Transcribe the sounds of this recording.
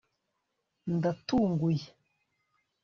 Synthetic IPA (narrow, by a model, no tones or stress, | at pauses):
ndatuŋɡuje